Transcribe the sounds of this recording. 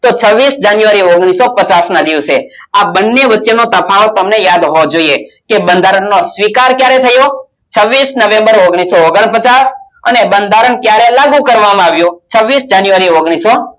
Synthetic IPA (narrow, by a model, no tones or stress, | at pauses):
t̪ot͡ʃʰəʋːisd͡ʒanjuʋaɾioɡɽ̃isopət͡ʃasnad̪iʋse | abənːeʋətːʃenot̪əpʰaot̪əmnejad̪ɦod͡ʒoiekebənd̪ʱaɾəɳːosʋikaɾkjaɾet̪ʰəjo | t͡ʃʰəʋːisnəʋẽmbəɾoɡɽ̃isooɡəɳpət͡ʃasə̰nebənd̪ʱaɾəɳkjaɾelaɡũkəɾʋamãaʋjot͡ʃʰəʋːisd͡ʒanjuʋaɾioɡɽ̃iso